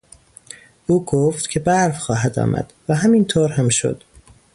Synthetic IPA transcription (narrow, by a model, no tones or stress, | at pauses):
uːɡoft̪cʲʰe̞bæɾfxɒːɦæd̪ɒ̰ːmʔæ̰d̪̥væɦæmint̪ʰoːɾhæmʃo̰d̪̥